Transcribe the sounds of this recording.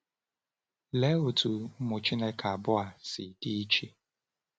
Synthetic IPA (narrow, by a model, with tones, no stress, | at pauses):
le˨˦o˨tʰu˨m̩˦mʊ˨t͡ʃi˦ne˦kʰa˨bʊ˦a˨sɪ˨di˦i˦t͡ʃi˦